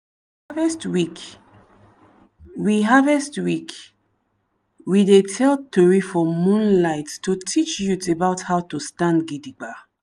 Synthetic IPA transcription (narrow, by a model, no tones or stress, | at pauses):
avɛstwik | wiɦavɛstwik | widetʰɛltɔɹifɔmũnlaɪttːutʰit͡ʃjutebaʊthawtustãndɡidiɡ͡ba